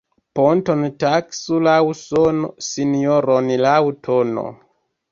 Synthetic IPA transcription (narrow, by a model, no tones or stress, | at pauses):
pontontaksulawsonosinioɾonlawutʰono̰